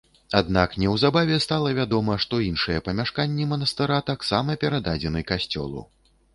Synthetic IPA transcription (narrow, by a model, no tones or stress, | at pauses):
ad̪naknʲɛwzabavʲɛst̪alˠɐvʲad̪ɔmɐʂt̪ɔinʂɨjɛpɐmʲaʂkanʲːimɐnɐst̪ɨɾat̪aksamɐpʲɛɾad̪ad͡zʲɛnɨkasʲt͡sʲɔ̰lˠṵw